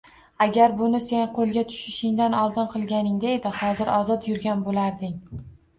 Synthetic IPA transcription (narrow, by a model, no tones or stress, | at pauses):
aɡʲaɾbʊnɪse̞nqʰolˠɡʲat̪ʰʊ̥ʃɪʃɪŋd̪anɒlˠd̪ɪnqʰɨlˠɡʲanɪŋd̪aed̪ɪhɒzɪɾɒzɒt̪jʊɾɡʲanbolaɾd̪ɪŋ